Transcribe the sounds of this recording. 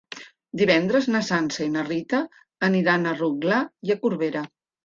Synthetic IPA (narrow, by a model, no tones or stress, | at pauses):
d̪iβɛnd̪ɾəznəsansəinərit̪əː | niɾanəruɣlajəkuɾβeɾə